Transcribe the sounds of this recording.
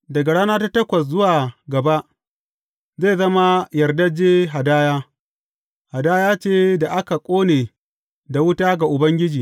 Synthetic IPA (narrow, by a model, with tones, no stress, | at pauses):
dɐ˨ɡa˨ɽaː˦naː˦ta˦tɐ˦kʷɐ˨s̬zʊ˦waː˨ɡɐ˨ba˦ʔ | zeː˦˨zɐ˦ma˦jɐ˨rdɐ˦d͡ʒeː˦ɦa˨daː˦jaː˦ | ha˨daː˦jaː˦t͡ʃeː˦da˨ʔa˦ka˨kʷʼoː˦neː˨ | da˨wʊ˦taː˦ɡa˨ʔʊ˨bɐ˦ŋɡʲɪ˦d͡ʒiː˨